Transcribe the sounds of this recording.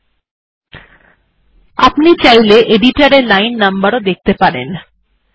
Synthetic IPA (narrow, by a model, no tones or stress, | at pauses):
apnit͡ɕajleʔeɖiʈaɾelajnːambaɾod̪ek̚t̪epaɾḛn